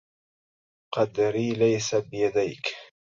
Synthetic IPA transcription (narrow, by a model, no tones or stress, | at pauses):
qɑd̪ɾiːlajsabɪjad̪ajk